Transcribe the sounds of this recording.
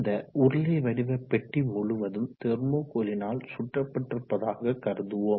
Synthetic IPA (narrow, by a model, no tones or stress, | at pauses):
d̪ɐʔʊɾɐleʋɐɽɪʋɐpːɛʈːimʊɭʊʋɐðɯmt̪ɛɾmoːkoːlɪnaːlsʊʈrɐpːɐʈːrɯpːɐðaːɣɐkːɐɾɯðɯʋoː